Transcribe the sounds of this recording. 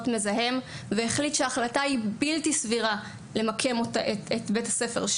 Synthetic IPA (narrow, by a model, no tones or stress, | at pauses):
tme̞zaɦe̞m | veːχlitʃeaːχlataibiltisviʁa | le̞makʰe̞motaetetbetasefe̞̰ʁʃ